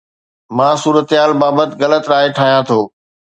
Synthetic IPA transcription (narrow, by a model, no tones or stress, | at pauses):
mãːsuːɾət̪ɦaːlbaːbət̪ɪɣɐlət̪ɾaːɦeʈʰaːɦijãt̪ʰoː